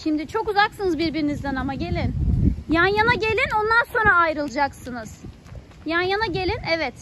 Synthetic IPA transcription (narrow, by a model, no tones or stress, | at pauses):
ʃimd̪it͡ʃʰo̞kuzaksɯnɯzbiɾbiɾinizd̪ɛnamaɟe̞lʲinjanjanaɟe̞lʲino̞nd̪anso̞nɾaːjɾɯlˠd͡ʒaksɯnɯz̥ | janjanaɟe̞lʲinɛvɛt̪